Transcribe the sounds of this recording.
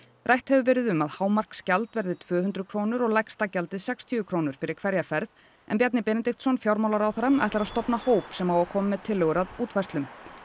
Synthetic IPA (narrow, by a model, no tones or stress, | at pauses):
rʔajht̪hɛvʏvɛːɾɪðʏmaðhaːwmar̥kscalt̪vɛɾðɪt̪ʰvœːhʏnt̪ɾʏkʰɾoːwnʏɾɔɣlajkst̪acɛlt̪ɪðsɛkst̪ʰʏvʏkʰɾoːwnʏɾ̥fɪɾɪɾ̥kʰvɛɾjafɛɾð | ɛ̰npjɛt̪nɪpɛnɛt̪ixt̪sɔnfjawɾmawlaɾawθaɾama̰jht̪laɾaðst̪ɔpnahoːwpsɛmaːwakʰɔːmmːɛðt̪ʰɪlːœɣʏɾaðuːt̪vajst̪ʏm